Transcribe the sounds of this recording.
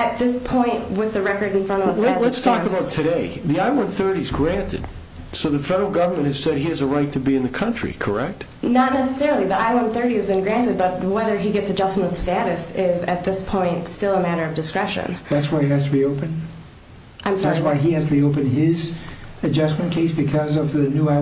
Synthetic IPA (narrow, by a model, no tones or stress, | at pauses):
ɨt̪̚ðɪspʰɔ̃ɪ̃nʔ̚wɪðɨɹɛkə˞ɾ̃n̩fʌ̃˞ñ̩ˠɛlətstʰɔəbaʊtʰɨɾeɪðiaɪwʌ̃nθɜ˞ɾizɡɹæ̃ntʰɨ̰d̥̚ | soʊðɨfɛɾə˞l̩ˠɡʌvə˞mɨ̃nthɨz̥sɛd̚iɨzəɹaɪtʰɨbiɨ̃nðɨkʰʌ̃nt͡ʃɹ̥ḭkʰə˞ɛk̚t̚ | nətⁿnɛsəsɛɹl̩ˠiðiaɪwʌ̃nθɜ˞ɾiɨzbɨ̃nɡɹæ̃ntɨd̚bʌt̚wɛðə˞iɡɛtsɨd͡ʒʌsmə̃ɾʌv̥stæɾɨsɪzɨ̰t̪̚ðɪspʰɔ̃ɪ̃ntstɪlˠəmæɾə˞ʌvdɨskɹɛʃɨ̰̃nðætswəɪihæz̥tʰɨbioʊpɨ̃n | ʔãɪ̃mswaɪihæz̥tʰɨbioʊpɨ̃nɪzɨd͡ʒʌsmɨ̃nkʰeɪsb̥ɨkʰʌzʌvðɨnua